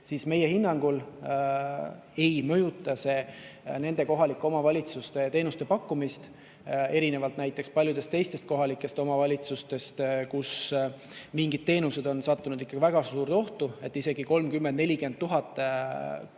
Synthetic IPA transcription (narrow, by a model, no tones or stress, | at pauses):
siːsme̞je̞hinːɑŋɡ̥ul | e̞jmɤ̞jut̪ːˑɑse̞ne̞nd̪e̞ko̞ɦɑlikːˑomɑvɑlʲit̪sust̪e̞t̪e̞ːnust̪e̞pɑkːumist̪ | e̞ɾine̞vɑlt̪næjt̪ːˑe̞kspɑlʲjud̪est̪e̞jst̪e̞st̪̚ko̞ɦɑlikːˑe̞st̪o̞mɑvɑlʲit̪sust̪e̞st̪kus | miŋɡid̪̥̚t̪ːe̞ːnuse̞d̪o̞nsɑt̪ːunud̪ikːɑɡivæɡ̥ɑsuːɾt̪o̞ht̪ue̞t̪ːise̞ɡ̥iko̞lmkymːend̪̚ne̞lʲike̞nd̪̚t̪ːuɦɑt̪ːˑ